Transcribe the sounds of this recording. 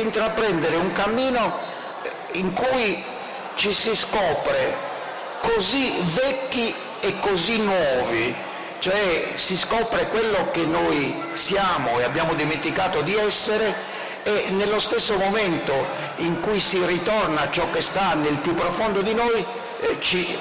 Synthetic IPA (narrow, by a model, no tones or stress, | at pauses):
int̪ɾapɾɛnd̪ɛɾeuŋkamːiːno | iŋkuj | t͡ʃisiskɔːpɾɛ | kozivɛkːi | ɛkːozinːwɔːvi | t͡ʃoɛsiskɔːpɾɛkwelːokenːoːi | sjaːmoɛabːjaːmod̪iment̪ikaːt̪od̪iɛsːɛɾɛ | ɛnːelːost̪ɛsːomomɛnt̪o | iŋkujsirit̪ɔrnat͡ʃːɔkːest̪anːelpjupːɾofond̪od̪inoːji | t͡ʃi